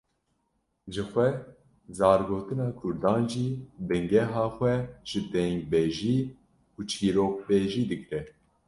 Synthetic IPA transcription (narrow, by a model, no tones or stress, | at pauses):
ʒɨxʷɛ | zɑːɾɡoːt̪ɨnɑːkʰʊɾd̪ɑːnʒiːbɨŋɡɛɦɑːxʷɛʒ̥ɨd̪ɛŋɡ̚bɛʒiː | kʰut͡ʃʰiːɾoːk̚beːʒiːd̪ɨkɾɛ